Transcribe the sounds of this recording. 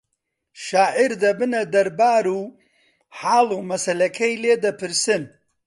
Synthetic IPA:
ʃaːʕiɾd̪ɐbɨnɐd̪ɐɾbaːɾuː | ħaːlˠuːmɐsɐlɐkʰɐjleːd̪ɐpʰɨɾsɨn

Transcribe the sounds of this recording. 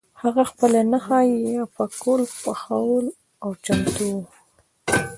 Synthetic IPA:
haɣaxpəlanahɑjjapakolpaxawəl | awt͡ʃamt̪u

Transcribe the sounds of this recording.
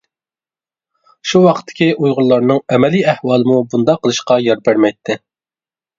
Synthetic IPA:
ʃuwɑqʰt̪ʰːɪ̥kʲiʔujʁʊlˠːɑɾnɨŋɛmɛliæhwɑːlˠɨmubund̪ɑqʰːəlˠɨʃqɑjɑɾbæɾmɛjt̪ʰːɪ

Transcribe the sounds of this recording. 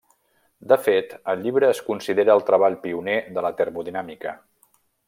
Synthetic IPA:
d̪əfet̪əlʎːiβɾəːskunsiðeɾəːlˠt̪ɾəβ̞aʎpiuneðələt̪ərmuðinamikə

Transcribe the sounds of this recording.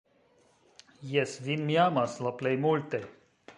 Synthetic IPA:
jɛsvinmjamaslɔplejmult̪e

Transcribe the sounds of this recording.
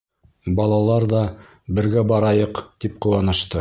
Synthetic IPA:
bɑlˠɑlˠɑɾðɑ | bɘ̆ɾɡæbɑɾɑjɤqt̪ip̚qŏwɑnɤ̆ʃt̪ɤ

